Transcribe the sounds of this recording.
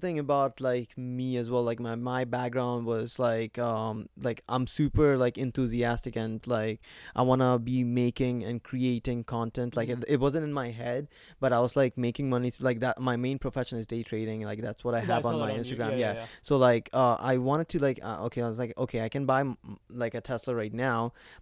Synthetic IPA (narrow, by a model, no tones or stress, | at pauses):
θɪ̃ŋɨbaʊtlaɪkmiɨzwɛlˠaɪk̚maɪmaɪbæk̚ɡɹãʊ̃ndwʌz̥laɪkʌ̃mlaɪkʔã̰ɪ̃msʉpə˞laɪkɨ̃nθʉziæstɨkɨ̃nlaɪkʔaɪwɑ̃nəbimeɪkɪ̃ŋɨ̃nkʰɹ̥ieɪɾɪ̃ŋkʰɑ̃ntɛ̃ntʰlaɪkɪt̚wʌzə̃ntɨ̃nmaɪɦɛd̚ | b̥ʌɾaɪwʌzlaɪk̚meɪkɪ̃ŋmʌnilaɪk̚ðæmaɪmẽɪ̃npʰɹ̥əfɛʃə̃nɨzdeɪtʰɹ̥eɪɾɪ̃ŋlaɪk̚ðætswʌɾaɪəṽnnmaɪɪ̃nstɨɡɹæ̃mjæsoʊlaɪkʰʌʔa̰ɪwɑ̃ɾ̃ɨd̚tʰɨlaɪkʌ̰ʔo̰ʊkʰeɪaɪwʌzlaɪko̰ʊkʰeɪaɪkɨ̃nbaɪlaɪkɨtʰɛslə˞ɹaɪtⁿnaʊ